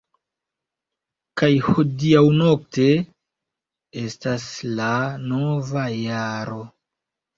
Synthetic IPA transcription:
kajhodiawno̞k̚te̞ | e̞staslano̞vajaɾo̞

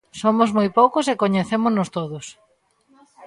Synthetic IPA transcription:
somʊzmojpowkʊsekoɲeθemʊznost̪oðʊs

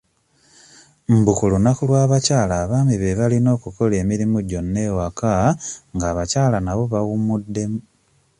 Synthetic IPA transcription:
m̩bukulunakulwaːβacaːlaːβaːmiβeβalino̞ːkuko̞le̞ːmiɾimuɟo̞nːe̞ːwakaŋɡaːβacaːlanaβo̞βaɣumudːe̞mu

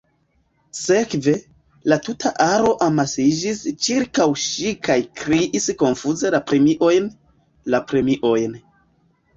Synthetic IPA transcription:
se̞kve̞ | latutʰaʔaɾo̞ʔamasid͡ʒist͡ʃiɾkawʃikajkɾiʔisko̞nfuze̞lapɾemiʔo̞jn | lapɾe̞miʔo̞jn

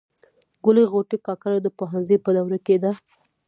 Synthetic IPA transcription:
ɡʊleɣoʈikɑkaɾad̪əpoɦanzəjpəd̪awɾaked̪a

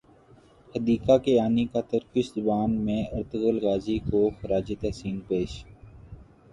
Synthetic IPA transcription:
həd̪iːkakeaːnikat̪əɾkɪʃzʊbaːnmẽəɾt̪əɣəlɣaːzikoxəɾaːd͡ʒit̪ɛɦsiːnpeːʃ

